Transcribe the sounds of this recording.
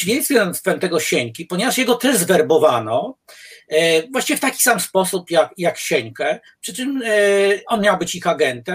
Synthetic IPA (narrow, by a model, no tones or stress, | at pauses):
vʲensʲɛɔst̪fɛmt̪ɛɡɔɕeɲkʲipɔɲevaʂjɛɡɔt̪ɛʐzvɛɾbɔvanɔ | vwaɕt͡ɕivʲɛft̪akʲi̥samspɔsupjakjakɕɛɲkɛ | pʂɘt͡ʂɘm | ʔɔnmʲjawbɘt͡ɕixaɡɛnt̪ɛ